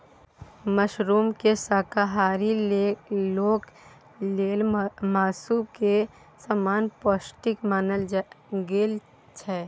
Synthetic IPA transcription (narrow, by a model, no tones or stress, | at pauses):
məʃɾuːmkesaːkaɦaːɾilloːk | leːlmaːsuːb̚ke | saːmaːnpɔːsʈɪkmaːnəlɡeːl | t͡ʃʰɛː